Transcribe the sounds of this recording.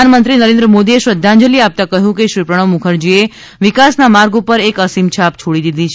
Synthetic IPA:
anmənt̪ɾinəɾẽnd̪ɾəmod̪ieʃʋəd̪ʱːãɲd͡ʒəliap̚t̪akəɦjũkeʃɾipɾəɽ̃əʋmukʰəɾd͡ʒie | ʋikasnamaɾɡupəɾekəsimt͡ʃʰap̚t͡ʃʰoɽid̪id̪ʱit͡ʃʰ

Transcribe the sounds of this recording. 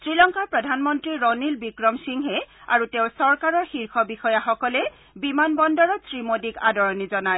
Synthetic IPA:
sɹilɔŋkaɹpɹɔdʱanmɔntɹiɹɔnilbikɹɔmsiŋɦɛa̰ɹuteʊ̃sɔɹkaɹɔɹxiɹkʰɔbixɔjaxɔkɔlɛ | bimanbɔndɔɹɔtsɹimodikadɔɹɔnizɔnaj

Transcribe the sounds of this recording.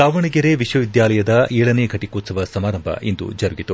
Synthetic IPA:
saːʋɐɳiɡɐɾeʋiʃʋɐʋid̪jaːlɐjɐd̪ɐʔeːɭɐneːɡʱɐʈikoːt̪sɐʋɐsɐmaːɾɐmbʱɐ̰ʔind̪ṵd͡ʒɐɾuɡit̪u

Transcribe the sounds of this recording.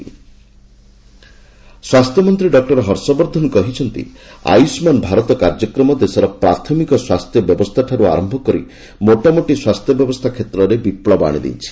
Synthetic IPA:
swast̪ʰjɔmɔnt̪ɾiɖɔk̚ʈɔɾɔɦɔɾsɔbɔɾd̪ʱɔnkɔɦit͡ʃʰɔnt̪ḭa̰jusmanbʱaɾɔt̪ɔkaɾd͡ʒɔkɾɔmɔd̪esɔɾɔpɾaɾt̪ʰɔmikɔswast̪ʰjɔbjɔbɔst̪ʰaʈʰaɾua̰ɾɔmbʱɔkɔɾḭ | moʈɔmoʈiswast̪ʰjɔbjɔbɔst̪ʰakʰet̪ɾɔɾebipɭɔba̰ɽ̃ḭd̪ḭnt͡ʃʰi̥

